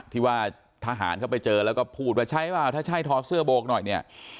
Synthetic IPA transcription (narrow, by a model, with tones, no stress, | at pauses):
t̪ʰiː˧˩waː˧˥˩ | t̪ʰa˧ɦa̰ː˩˦nkʰa˥˩wpa˧jt͡ɕɤː˧lɛː˦˥wkɔː˥˩pʰuː˥˩t̪̚waː˧˩t͡ɕʰa˦˥˩jwaː˧˩wt̪ʰaː˥˩a˥˩jt̪ʰɔː˦˥p̚sɯ˥˩ɐboː˧˥k̚nɔ˨˩jni˥˩ɐ